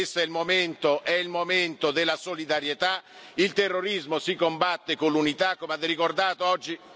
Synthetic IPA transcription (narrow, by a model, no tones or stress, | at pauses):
st̪ːoɛlmoment̪oʔɛilmoment̪od̪elːasolid̪aɾjet̪a | ilt̪erːoɾizmosikombat̪ːekonlunit̪akːomead̪ɛrːikord̪aːt̪oɔd͡ʒːi